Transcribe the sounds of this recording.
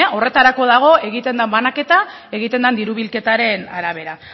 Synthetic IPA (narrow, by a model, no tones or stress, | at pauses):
o̞re̞t̪aɾako̞ðaɣ̞o̞e̞ɣit̪e̞nd̪ambanake̞t̪a | e̞ɣit̪e̞nd̪and̪iɾuβilke̞t̪aɾe̞naɾaβe̞ɾa